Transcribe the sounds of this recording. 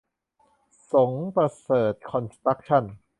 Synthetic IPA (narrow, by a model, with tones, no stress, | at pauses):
so˩˦ŋpɾa˧sɤː˨˩t̪̚kʰɔ˧nst̪ɾa˦˥k̚t͡ɕʰa˥˩n